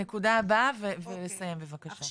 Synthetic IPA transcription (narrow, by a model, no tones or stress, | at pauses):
ekudaːbavevelesajembevakaʃa